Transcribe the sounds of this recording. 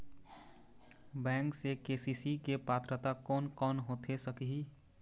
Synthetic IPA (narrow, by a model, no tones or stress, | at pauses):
bɛ̃ːŋksekeːsisikepaːt̪ɾət̪akɔːnkɔːnɦoːt̪ʰesəkɦi